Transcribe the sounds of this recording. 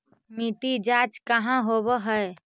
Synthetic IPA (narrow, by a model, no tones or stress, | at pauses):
mit̪id͡ʒat͡ʃkəɦãɦobəɦəe